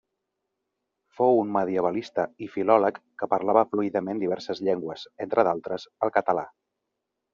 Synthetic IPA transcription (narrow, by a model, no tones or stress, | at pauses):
fowunməðiəβəlist̪əifilɔləkːəpəɾlaβəfluiðəmend̪iβɛɾsəzʎɛŋɡwəzent̪ɾəðalˠt̪ɾəzəlˠkət̪əla̰